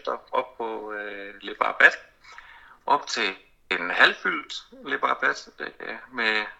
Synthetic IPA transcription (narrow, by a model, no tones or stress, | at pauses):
d̥ɐɒb̥̚pʰɔ̽le̝b̥ɑ̈b̥æd̥ | ʔɒ̽b̥t͡sʰe̝ | enhælfyld̥le̝b̥ɑ̈ːb̥æd̥d̥e̥æme